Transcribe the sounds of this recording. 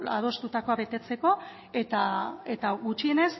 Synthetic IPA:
a̰ð̞o̞st̪ut̪ako̞aβe̞t̪e̞t͡se̞ko̞ | e̞t̪ae̞t̪aɣut͡ʃie̞ne̞s

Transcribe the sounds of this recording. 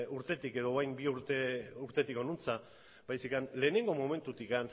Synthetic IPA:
uɾt̪e̞t̪ike̞ðoajmbiuɾt̪euɾt̪e̞t̪iko̞nunt͡sa | bajsikanle̞ːne̞ŋɡo̞mome̞nt̪ut̪ikan

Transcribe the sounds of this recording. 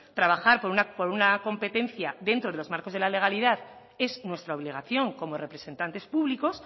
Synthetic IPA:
t̪ɾaβ̞axaɾpoɾunapoɾunako̞mpe̞t̪ẽ̞nθjaðe̞nt̪ɾoðeozmaɾko̞zð̞e̞lale̞ɣ̞aliðað | e̞znwe̞st̪ɾao̞β̞liɣ̞aθjo̞ŋko̞mo̞re̞pɾe̞se̞nt̪ant̪e̞spuβliko̞s

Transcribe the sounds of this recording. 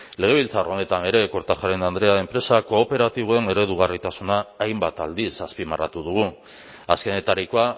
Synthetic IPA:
le̞ɣe̞β̞ilt͡sarone̞t̪ane̞ɾe̞ko̞ɾt̪axaɾenand̪ɾe̞ae̞mpɾe̞sako̞ːpe̞ɾat̪iβ̞oe̞neɾe̞ðuɣarit̪asunaːjmbat̪ald̪isaspimara̰t̪uðuɣ̞u | aske̞ne̞t̪aɾikoa

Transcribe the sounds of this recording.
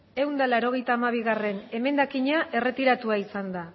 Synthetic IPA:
e̞wnd̪alaɾo̞ɣ̞e̞jt̪aːmaβ̞iɣare̞ne̞me̞nd̪akiɲaʔe̞re̞t̪iɾat̪uaisand̪a

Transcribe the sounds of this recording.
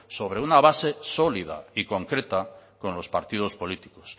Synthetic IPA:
so̞β̞ɾe̞unaβase̞so̞liða̰iko̞ŋkɾe̞t̪ako̞nlo̞spaɾt̪ið̞o̞spo̞lit̪i̥ko̥s

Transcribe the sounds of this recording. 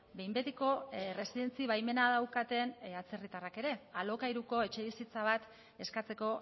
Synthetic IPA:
be̞jmbe̞t̪eko̞re̞siðe̞nt͡siβajme̞naðawkat̪e̞nat͡se̞rit̪arake̞ɾe̞alo̞kajɾuko̞e̞t͡ʃe̞βisit͡saβ̞at̪ | e̞skat͡se̞ko̞

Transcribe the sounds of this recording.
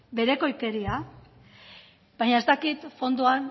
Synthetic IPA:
be̞ɾe̞ko̞jke̞ɾia | baɲaest̪akit̪fo̞nd̪uan

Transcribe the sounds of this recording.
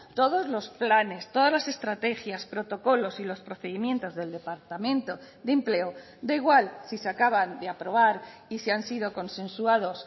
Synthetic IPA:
t̪o̞ð̞o̞zlo̞splane̞st̪o̞ðazlase̞st̪ɾat̪e̞xjaspɾo̞t̪o̞ko̞lo̞silo̞spɾo̞θe̞ðimjent̪o̞zðe̞ld̪e̞paɾt̪amẽ̞nt̪o̞ | d̪emple̞o | d̪eiɣ̞walsiseakaβand̪eapɾo̞β̞aɾisiansið̞o̞ko̞nsẽ̞nsuað̞o̞s

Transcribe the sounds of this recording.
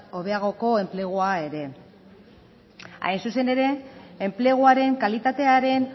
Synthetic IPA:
o̞βe̞aɣ̞o̞ko̞e̞mple̞ɣ̞uae̞ɾe̞ | a̰jnsuse̞ne̞ɾe̞ːmple̞ɣ̞uaɾe̞ŋkalit̪at̪e̞aɾe̞n

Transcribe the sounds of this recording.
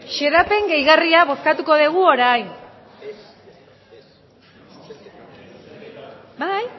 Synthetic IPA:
ʃe̞ðape̞ŋɡe̞jɣariaβo̞skat̪uko̞ðeɣ̞uo̞ɾajn | baj

